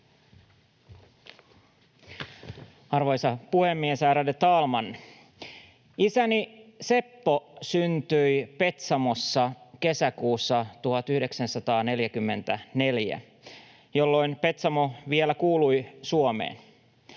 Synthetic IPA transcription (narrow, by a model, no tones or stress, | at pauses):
ɑrʋo̞jsɑpuhe̞mːiesæːɾædet̪ɑːlmɑn | isænise̞pːosynt̪yjpe̞t̪sɑmo̞sːɑke̞sækuːsːɑt̪uhɑt̪yhde̞ksænsɑt̪ɑːne̞ljæk̟ymːe̞̰nt̪æne̞ljæ̰ | jo̞lːo̞jnpe̞t̪sɑmoʋielækuːlujsuomḛːn